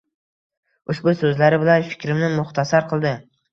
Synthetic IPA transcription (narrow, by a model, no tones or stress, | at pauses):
ʊʃbʊsɵzlaɾɪbɪlanfɪ̥kʲɾɪmnɪmʊχt̪ʰasaɾqʰɨlˠd̪ɪ